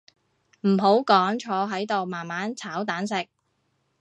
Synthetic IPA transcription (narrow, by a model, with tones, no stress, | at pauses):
m̩˨˩ɦo˨˥wkɔː˨˥ŋt͡ʃʰɔː˨˧ɦɐ˨˥jt̪o˨wmaː˨˩nmaː˨˥nt͡sʰaː˨˥wt̪aː˨˥nsɪ˨k̚